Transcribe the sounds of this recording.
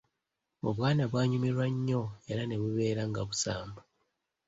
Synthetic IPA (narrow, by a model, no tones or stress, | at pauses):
oβwaːnaβwaːɲumiɾwaɲːo̞eɾane̞βuβe̞ːɾaŋɡaβusaːmba